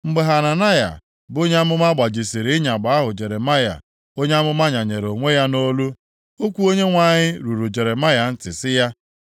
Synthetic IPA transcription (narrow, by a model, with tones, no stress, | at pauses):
ŋ͡m̩˦ɡ͡be˨ɦa˨na˨na˦ja̰˨ | bo˦ɲe˦a˦mʊ˦m˦a˦ɡ͡ba˨d͡ʒi˨si˨ɾɪ˦ɲa˨ɡ͡ba˨˦ɦʊ˨d͡ʒe˨ɾe˨ma˦ja̰˨ | o˦ɲe˦a˦mʊ˦ma˦ɲa˨ɲe˨ɾo˨ŋʷe˦ja˦no˦lu˦ | o˦kʷu˦o˦ɲe˦ŋʷa˨ɲɪ˦ɾu˨ɾu˨d͡ʒe˨ɾe˨ma˦ja˨n̩˦tɪ˨sɪ˦ja˦